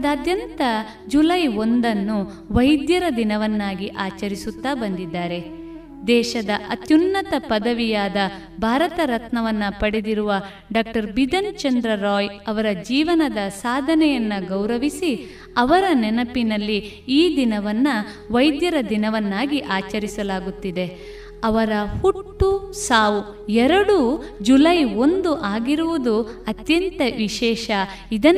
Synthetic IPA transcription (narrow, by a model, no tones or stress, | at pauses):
ɐd̪aːd̪jɐnt̪ɐ | d͡ʒulɐjo̞nd̪ɐnːu | ʋɐjd̪jɐɾɐd̪inɐʋɐnːaːɡiʔaːt͡ʃɐɾisut̪ːaːbɐnd̪id̪ːaːɾe̞ | d̪ɛːʃɐd̪ɐʔɐt̪junːɐt̪ɐpɐd̪ɐʋijaːd̪ɐ | bʱaːɾɐt̪ɐɾɐt̪nɐʋɐnːɐpɐɽed̪iɾuʋɐ | ɖaːk̚ʈɐɾbid̪ɐnt͡ʃɐnd̪ɾɐɾɔːjɐʋɐɾɐd͡ʒiːʋɐnɐd̪ɐsaːd̪ʱɐnɛjɐnːɐɡɐwɾɐʋisi | ɐʋɐɾɐnɛnɐpinɐlːiː | d̪inɐʋɐnːɐ | ʋɐjd̪jɐɾɐd̪inɐʋɐnːaːɡiʔaːt͡ʃɐɾisɐlaːɡut̪ːid̪e | ɐʋɐɾɐhuʈːusaːʋu | ɛɾɐɽud͡ʒulɐjo̞nd̪uʔaːɡiɾuʋud̪uɐt̪jɐnt̪ɐʋiʃɛːʃɐ | id̪ɐ